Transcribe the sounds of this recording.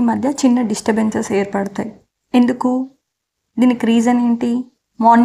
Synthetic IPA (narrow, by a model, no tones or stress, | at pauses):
imɐd̪ʱjɐt͡ʃinːɐɖisʈɐbeɲt͡ʃɐseːɾpɐɽut̪aːji | e̞nd̪uku | d̪iːnikɾiːd͡ʒɐneɳʈi | maːn